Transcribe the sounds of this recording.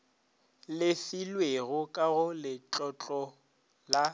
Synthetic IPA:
lɪfilweɣʊkʼaɣʊlɪt͡ɬʼɔt͡ɬʼɔ | la

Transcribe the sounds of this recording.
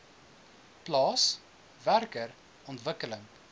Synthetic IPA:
plɑːs | værkər | ɔntvəkələŋ

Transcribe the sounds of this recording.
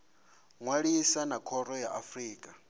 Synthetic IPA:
ŋwaɺisanakʰɔɾɔjaʔafriːkʼa

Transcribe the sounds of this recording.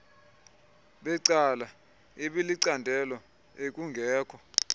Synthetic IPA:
ɓɛǀala | iɓiliǀandʱɛlɔ | ek̬ʼuŋɡʱɛːkʰɔ

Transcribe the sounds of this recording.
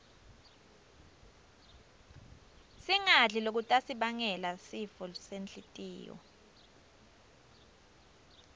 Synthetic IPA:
siŋaɮilok̬utʼasiɓaŋɛlasifɔsent͡ɬʼitʼḭːjɔ̰

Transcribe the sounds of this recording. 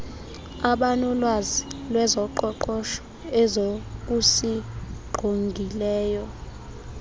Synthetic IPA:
aɓanɔlwazilwɛzɔǃɔǃɔʃɔ̥ | ɛzok̬usiɡ͡ǃʱoŋɡʱilɛːjɔ

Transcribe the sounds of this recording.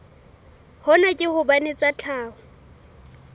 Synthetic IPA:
hɔnakʼɪhʊbanet͡sʼat͡ɬʰaːhʊ

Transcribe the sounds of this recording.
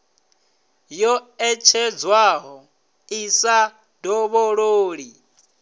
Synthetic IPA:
jɔɛt͡ʃʰɛd͡zwaɦɔ | isa | d̥ʱɔβoɺoːɺi

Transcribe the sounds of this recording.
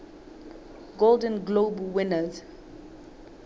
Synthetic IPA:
ɡolˠdə̃nɡlobwɪnəz

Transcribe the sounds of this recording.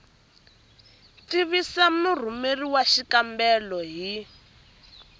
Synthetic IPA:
tiβisamur̤umeriwaʃikambɛlɔɦi

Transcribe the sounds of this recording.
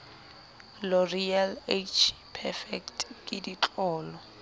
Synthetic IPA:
lɔrialet͡ʃʰpʰɛfɛktkʼɪdit͡ɬʼɔːlɔ

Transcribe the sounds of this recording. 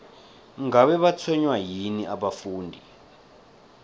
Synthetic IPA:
ŋɡaɓɛɓat͡sʰwɛɲwajiniʔaɓafuːndʱi

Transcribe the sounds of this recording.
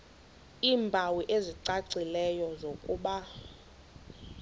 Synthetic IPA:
iːmbʱawiʔeziǀaǀilɛjɔzokʼuːɓa

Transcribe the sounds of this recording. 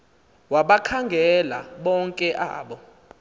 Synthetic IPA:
waɓakʰaŋɡʱɛla̰ɓɔŋkʼɛʔa̰ːɓɔ

